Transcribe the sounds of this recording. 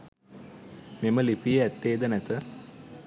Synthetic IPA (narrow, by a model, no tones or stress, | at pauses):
meməlipijəæt̪ːeːd̪ənæt̪ə